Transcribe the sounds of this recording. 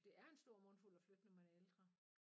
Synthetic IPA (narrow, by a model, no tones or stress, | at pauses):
d̥e̝ʔæɐe̝nsd̥o̝ɐ̰mɔ̽nful̰ɒfløɡ̥nəmenæeld̥ʁɐ